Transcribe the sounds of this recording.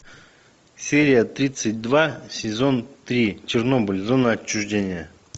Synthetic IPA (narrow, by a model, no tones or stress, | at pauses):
sʲeɾʲɪjət̪ɾʲit̪sɨt̚ʲd̪vasʲɪzo̞nt̪ɾʲit͡ɕɪrno̞bɨlʲzo̞nəɐt͡ɕːʊʐdʲenʲɪjə